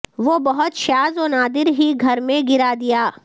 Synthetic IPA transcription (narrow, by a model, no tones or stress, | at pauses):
ʋoːbɐɦʊt̪ʃaːzɔːnaːd̪ɪɾɦiɡʱɐɾmẽɡɪɾad̪ɪjaː